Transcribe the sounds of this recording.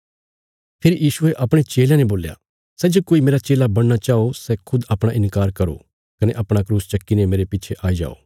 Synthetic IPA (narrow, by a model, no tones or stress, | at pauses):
pʰeːɾijiːʃʊeʔɐpɽ̃et͡ʃeːljãneboːlja̰ | sɛd͡ʒokoːimeːɾat͡ʃeːlabɐɽ̃nat͡ʃaːosɛkʰʊd̪ɐpɽ̃aʔɪ̃nkaːɾkɐɾo̰ | kɐneʔɐpɽ̃akɾuːst͡ʃɐkːinemeːɾepɪːt͡ʃʰeʔaːid͡ʒa̰ːo̰ː